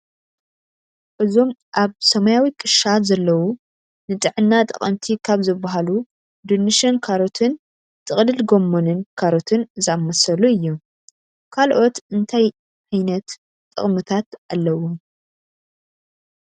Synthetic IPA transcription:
ʔɨzo̞mʔaβsɐmajawikʼɨʃazɐlːɐwu | nɨt̪ʼɨʕɨnːat̪ʼɨ̰χʼɐmt̪ʰikʰaβzɨbːaɦalu | d̪unːɨʃɐnkʰaɾo̞t̪ʰɨn | t̪ʼɨχʼlɨlɡo̞mːonɨnkʰaɾo̞t̪ʰɨnzɨamːɐsɐluɨjːu | kʰalʔo̞t̪ɨnt̪ʰaj | ʔajnɐt̪ | t̪ʼɨ̰χʼmɨt̪ʰat̪ʔalːɐwo

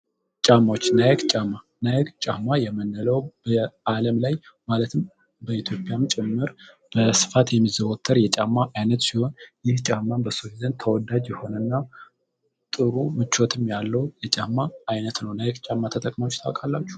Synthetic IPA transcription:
t͡ʃʼamːawot͡ʃːnajɛɡt͡ʃʼamːa | najɛɡt͡ʃʼamːajɛmənːələwb̥əaləmlaj | malət̪ʰɨm | bəit̪ʰjo̞pʼjamt͡ʃʼɛmːɨɾ | b̥əsɨ̥fat̪jɛmːizəwot̪ʰːəɾjɛt͡ʃʼamːaʔajnət̪siho̞njɪht͡ʃʼamːanbəsozənt̪ʰəwɔd̪ad͡ʒjɛho̞nənːa | t̪ʼɨɾumɨt͡ʃːot̪ʰɨmjalːəwjɛt͡ʃʼamːaːjnət̪nəwnajɛkt͡ʃʼamːat̪ʰət̪ʼəkʼmawot͡ʃːt̪ʰawkʼalːat͡ʃːu̥

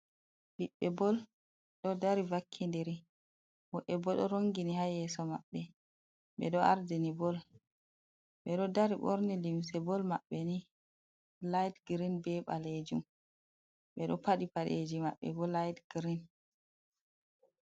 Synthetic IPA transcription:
ɗiɓːɛbɔl | ɗɔdaɾivakʰːindɛɾi | mɔɓɛbɔɗɔɾoŋɡinihajɛsɔma̰ɓːɛ | ɓɛ̰ɗɔaɾdɛnibɔl | ɓɛɗɔdaɾiɓɔ̰ɾnilims̬ɛbɔlmaɓːɛni | lajdɡɾinbɛɓa̰led͡ʒum | ɓɛɗɔpaɗipaɗed͡ʒima̰ɓːɛ̰bɔlajdɡ̥ɾin

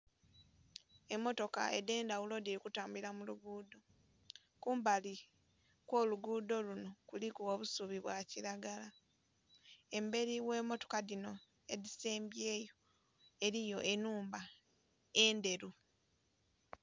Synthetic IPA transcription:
e̞mːo̞to̞ka̰ḛde̞ːndawulo̞diɾikutaːmbuiɾlamuluɡuːdo̞ | kuːmbali | kwo̞ːluɡuːdo̞luno̞kulikuwoβusuβiβwaciɾaɡala | e̞mbe̞ɾiwe̞ːmo̞to̞̥kadino̞ | e̞dise̞ːmbje̞ːjo̞ | e̞ɾijo̞ʔe̞nuːmba | e̞ːnde̞ɾu

